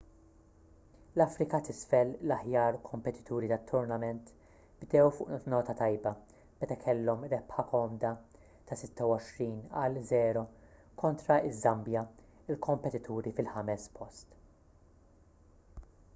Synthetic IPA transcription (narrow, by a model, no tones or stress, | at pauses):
lɐfɾɪkɐt̪ɪsfɛllɐħjɐːɾkʰɔmpɛt̪ɪ̥t̪ʰuːɾit̪ɐt̪ʰːʊɾnɐmɛnt̪ | bd̪ɛwfʊ̰ːʔnɔːt̪ɐt̪ɐjbɐ | b̥ɛt̪ɐkʰɛlːɔmɾɛpħɐkɔːmd̪ɐ | t̪ɐsɪt̪ːɐwɔʃɾiːnɐ̰lzɛːɾɔkɔnt̪ɾɐɪzːɐmbjɐ | ɪlkʰɔmpɛt̪ɪt̪ʰuːɾifɪlħɐmɛspʰɔst̪